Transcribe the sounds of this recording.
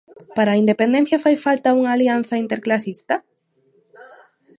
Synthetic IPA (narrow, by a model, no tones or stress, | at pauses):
paɾaːind̪epend̪ẽn̟θjɐfajfalt̪ɐuŋaːlian̟θɐint̪eɾklasist̪ɐ